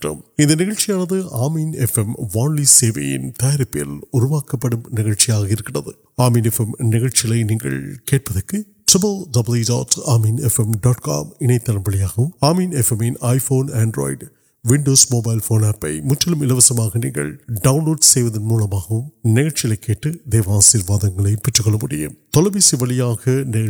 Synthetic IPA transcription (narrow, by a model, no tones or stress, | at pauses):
ʈːɐ̰mɪnd̪ɐnɪɣɐɻt͡ʃijaːnɐðɯaːmiːnɛfɛmʋaːɳliseːʋɐ̰jɪ̰nt̪ɐjɾɪpːɪjɐ̰lʊɾʊʋaːkːɐpːɐɽɯmnɪɣɐɭt͡ʃijaːɣɐɪɾɯkːɪɳɐðɯ̰ | aːmiːnɛfɛmnɪɣɐɭt͡ʃɪɪlɐɪniːŋɡɐ̰ɭkeːʈ̚pɐðɐkːɯ | ʈɾɪbɐlɖɐbɐljida̰ːtaːmiːnɛfɛmɖaːʈka̰ːmɪɳɐɪt̪ːɐɳɐmbɐɭɪjaːɣɐɯmaːmiːnɛfɛmɪnʔaːjfoːnaːɳɖɾo̰ːɪɖ | ʋɪɳɖoːsmoːbɐjlfoːnaːpːɐɪmʊtːɐlɯmɪlɐʋɐsɐmaːɣɐniːŋɡɐ̰ɭɖɐʋnloːɖsejʋɐðɯnmuːlɐmaːɣɐʋɯmnɪɣɐɻt͡ʃːɪjɪlɐɪkːeːʈːɯd̪eːʋaːsiːɾʋaːðɐŋɡɐɭɐɪpɛʈːɯkɔɭːɐmʊɽɪ̰jɐ̰t̪ɔlɐʋisiʋɐɭɪjaːɣɐnɪɣɐ